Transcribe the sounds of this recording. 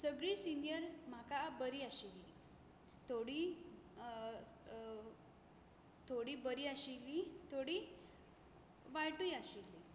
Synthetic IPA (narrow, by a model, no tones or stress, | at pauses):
səɡɭiːsinjəɾm̤akabəɾiːaɕili | t̪ʰoɽiː | t̪ʰoɽiːbəɾiːaɕilːit̪ʰoɽi | ʋajʈujaɕilːi